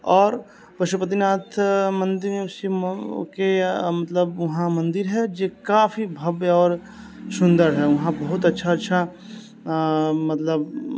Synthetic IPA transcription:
ɔːɾ | pɐʃupət̪̬inaːt̪ʰmɐ̃nd̪ɪɾmẽʊsikemɐt̪ləbɐɦãmɐ̃nd̪ɪɾɦɛd͡ʒekaːfʰibʱɐbeɔːɾ | sʊ̃nd̪əɾɦɛʋɐɦãbɐɦʊt̪ɐtːʃʰaɐtːʃʰa | mɐt̪ləb

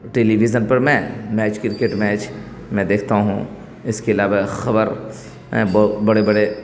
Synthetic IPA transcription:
ʈeːliʋizənpɐɾmɛ̃mɛːt͡ʃkɪɾkeːʈmɛːt͡ʃ | mɛ̃d̪eːkʰt̪aɦṵ̃ | ɪskeɪlaːʋaxɐbəɾ | ɛ̃bɔbɐɽebɐɽe

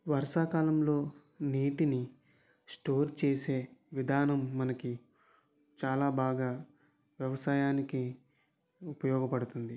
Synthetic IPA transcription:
ʋɐɾʂaːkaːlɐmlo̞ː | niːʈini | sʈo̞ːɾt͡ʃe̞ːse̞ːʋid̪ʱaːnɐmːɐnɐki | t͡ʃaːlaːbʱaːɡaː | ʋjɐʋɐsaːjaːniki | upɐjɔːɡɐpɐɽut̪und̪i

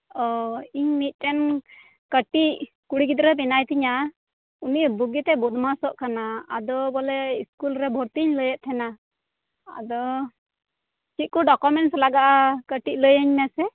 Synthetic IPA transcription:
ɔiɲmit̪̚ˀʈɛn | kəʈiʔ | kuɽikid̪ɾəp̬ɛnajt̪iɲa | uniʔbuɡit̪ɛbɔd̪masɔʔkana̰ːd̪ɔbɔlɛiskulɾɛbʱɔɾt̪iɲləjəʔ̚t̪ʰɛna | a̰d̪ɔ | t͡ʃit̪̚kɔɖɔkɔmɛɳʈslaɡaʔkəʈiʔ̚ləjəɲmasɛ

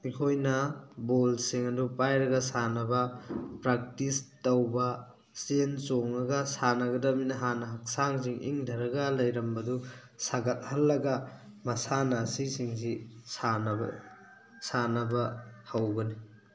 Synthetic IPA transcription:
ikʰojnɐbolsiŋɐdupajɾɐɡɐsanɐbɐpɾak̚tistɐwbɐ | sensoŋɐɡɐsanɐɡɐdɐminɐɦanɐɦɐk̚saŋsiŋʔḭŋdʱɐɾɐɡɐlɐjɾɐmbɐdu | saɡɐt̚hɐlːɐɡɐ | mɐsanɐːsisiŋzisan̰ | sanɐbɐhawɡɐni

